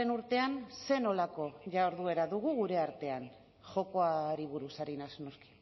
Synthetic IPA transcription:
enuɾt̪e̞anse̞no̞lako̞ʝawɾðue̞ɾaðuɣ̞uɣuɾe̞aɾt̪e̞an | ʝo̞ko̞aɾiβ̞uɾusaɾinasno̞ski̥

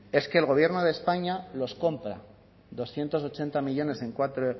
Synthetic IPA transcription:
e̞ske̞ːlɣo̞β̞je̞ɾno̞ðespaɲalo̞sko̞mpɾa̰ | ðo̞sθje̞nt̪o̞so̞t͡ʃe̞nt̪amiʎo̞ne̞se̞ŋkwat̪ɾo

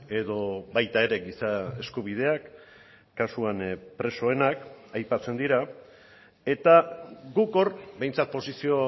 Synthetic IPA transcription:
e̞ðo̞βajt̪ae̞ɾe̞ɡisae̞skuβ̞ið̞e̞akː | asuanpɾe̞so̞e̞nakajpat͡se̞nd̪iɾa | e̞t̪aɡuko̞ɾbe̞jnt͡sat̪̚po̞sisio̞

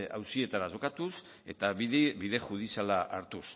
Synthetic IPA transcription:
a̰wsie̞t̪aɾaʃo̞kat̪us | e̞̰t̪aβiðiβiðe̞ʝuð̞isalaʔaɾt̪us

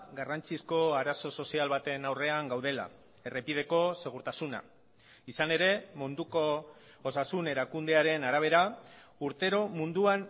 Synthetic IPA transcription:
ɡarant͡sisko̞aɾaso̞so̞sialβat̪e̞nawre̞aŋɡawð̞e̞la̰ | e̞repið̞e̞ko̞se̞ɣ̞uɾt̪asuna̰ | isane̞ɾe̞mund̪uko | osasune̞ɾakund̪e̞aɾe̞naɾaβ̞e̞ɾa | uɾt̪e̞ɾo̞mund̪uan

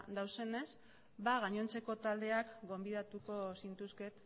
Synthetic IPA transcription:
d̪awse̞ne̞z | baɣaɲo̞nt͡se̞ko̞t̪ald̪e̞akɡo̞mbið̞at̪uko̞sint̪uske̞t̪

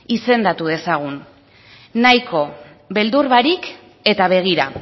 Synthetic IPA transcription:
ise̞nd̪at̪uðe̞saɣ̞unː | ajkʰo̞ | be̞ld̪uɾβaɾik | e̞t̪aβ̞e̞ɣ̞iɾa̰

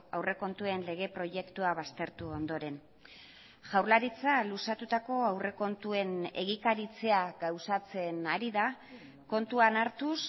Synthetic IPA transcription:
awre̞ko̞nt̪ue̞nle̞ɣ̞e̞pɾo̞je̞kt̪uaβast̪e̞ɾt̪uo̞nd̪o̞ɾe̞n | ʝawɾlaɾit͡salusat̪ut̪ako̞awre̞ko̞nt̪ue̞ne̞̰ɣikaɾit͡se̞aɡawsat͡se̞naɾiða | ko̞nt̪uanaɾt̪us

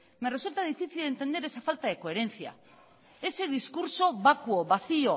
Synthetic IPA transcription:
meresult̪aðifiθioent̪e̞nd̪eɾe̞safalt̪aðekoe̞ɾe̞nt͡sia̰ | e̞seðiskuɾso̞βakuoβaθio̞

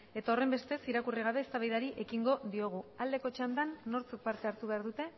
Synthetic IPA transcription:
e̞t̪ao̞re̞mbe̞st̪e̞siɾakuriɣ̞aβ̞e̞ːst̪aβajðaɾiʔe̞kiŋɡo̞ðio̞ɣ̞uald̪e̞ko̞t͡ʃand̪anːo̞ɾt͡suk̚paɾt̪eaɾt̪uβe̞aɾðut̪e̞

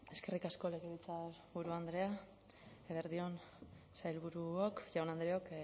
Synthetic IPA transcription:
e̞ske̞rikasko̞le̞ɣeβit͡saβuɾuand̪ɾe̞a | eβeɾðio̞n | sajlβuɾuokʝawnand̪ɾeo̞k

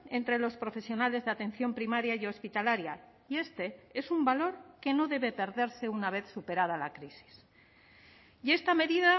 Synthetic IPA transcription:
e̞nt̪ɾe̞lo̞spɾo̞fe̞sjo̞nale̞zðat̪ẽ̞n̟θjo̞mpɾimaɾjaiospit̪alaɾja | ie̞st̪e̞e̞sumbalo̞ɾke̞no̞ðe̞βe̞pe̞ɾðe̞ɾse̞unaβ̞e̞θsupe̞ɾað̞alakɾisi̥s | je̞st̪ame̞ðiða

